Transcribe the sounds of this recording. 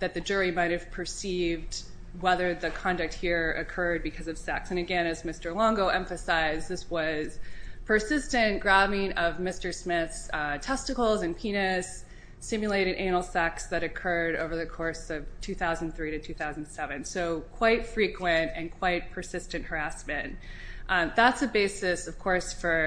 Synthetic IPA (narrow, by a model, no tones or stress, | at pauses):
ðɨt̪̚ðɨd͡ʒʊɹimaɪɾɨv̥pʰə˞sivd | wɛðə˞ðɨkʰɑ̃ndɨk̚t̚hiɹɨ̰kʰɜ˞d̚bɨkʰʌzʌv̥sɛksɨ̃ñɨɡɛ̃ñɨzmɪstə˞lɑ̃ŋɡoʊʔɛ̃ɱfɨsaɪzðɪswʌz̥pʰə˞sɪstɨ̃nɡ̥ɹævɪ̃ŋʌvmɪstə˞smɪθstʰɛstɨkl̩ˠzɨ̃npʰĩnɨsː | ɪ̃mjɨleɪɾɨɾʔæ̃nl̩ˠsɛksðɨɾɨkʰɜ˞ɾoʊvə˞ðɨkʰɔɹsʌv̥tʰʉθaʊz̃n̩θɹiɾɨtʰʉθaʊzn̩sɛvɨ̃nsoʊkʰw̥aɪtfɹikʰwɨ̃ntɨ̃nkʰw̥aɪt̚pʰə˞sɪstɨ̃nʔhə˞æsmɨ̃ntʔðætsɨbeɪsɨsʌv̥kʰɔɹsfə˞